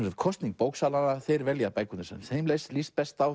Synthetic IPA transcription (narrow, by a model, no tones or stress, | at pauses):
ɛmsajt̪kʰɔst̪niŋkpoːwksaːlanaθejɾvɛljapajkʏnsɛ̰nhejmlejst̪list̪pɛst̪aw